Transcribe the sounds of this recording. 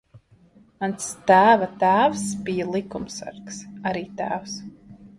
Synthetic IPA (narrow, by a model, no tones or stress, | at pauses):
anst̪æːvat̪æːwsbijalˠikumsa̰ɾksaɾiːt̪æ̰ːws